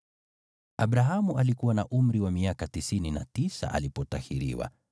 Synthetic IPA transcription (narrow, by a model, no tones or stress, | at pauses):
abɾaɦamuʔalikuwanaʔum̩ɾiwamiakatisinina̰tisa̰ʔa̰lipɔtahiɾḭwa̰